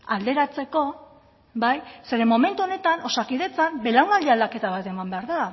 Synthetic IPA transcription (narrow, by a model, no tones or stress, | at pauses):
ald̪e̞ɾat͡se̞ko̞ | bajse̞ɾe̞mːo̞me̞nt̪uo̞ne̞t̪ano̞sakiðe̞t͡sambe̞laŋɡald̪iald̪ake̞t̪aβat̪e̞mambe̞aɾða